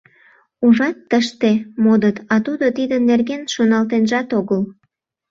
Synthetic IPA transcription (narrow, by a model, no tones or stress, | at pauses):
uʒɑt̪ːəʃt̪emod̪ət̪ɑt̪ud̪ot̪id̪ənːerɣenʃonɑlt̪enʒɑt̪oɣəl